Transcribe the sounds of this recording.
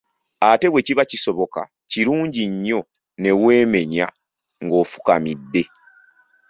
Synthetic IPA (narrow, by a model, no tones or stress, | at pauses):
ate̞βwe̞ciβaciso̞βo̞ka̰ | ciɾuːɲɟiɲːo̞ | ne̞we̞ːme̞ɲa | ŋɡo̞ːfu̥ka̰midːe̞